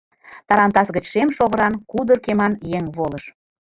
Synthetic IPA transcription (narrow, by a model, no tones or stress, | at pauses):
t̪ɑɾɑnt̪ɑsɣə̆t͡ɕʃemʃoɣə̆ɾɑnkud̪ərkemɑnjeŋβoləʃ